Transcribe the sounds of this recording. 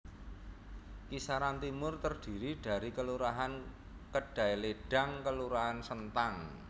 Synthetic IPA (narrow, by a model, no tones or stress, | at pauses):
kisaɾant̪imʊrt̪ərd̥i̤ɾiɖ̥a̤ɾikəluɾaɦan | kəɖ̥a̤eleɖ̥a̤ŋkəluɾaɦansənt̪aŋ